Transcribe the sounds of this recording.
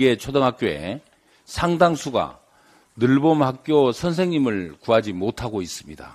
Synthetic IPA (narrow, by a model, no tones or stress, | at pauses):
ɡet͡ɕʰodʌŋɦak͈̚joe̞̰ | sʰaŋdaŋsʰuɡa̰ | nɯɭbomhak̚k͈josʰʌns̬ʰe̞ŋɲimɯɭkuɦad͡ʑimotʰaɡois͈ɯmɲida̰